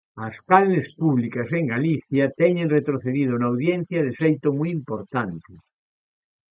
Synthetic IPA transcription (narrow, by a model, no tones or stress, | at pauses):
askalnespuβlikaseŋɡaliθjat̪ɛɲẽnret̪ɾoθeðið̞onawðjen̟θjaðefejt̪omujimpoɾt̪ant̪e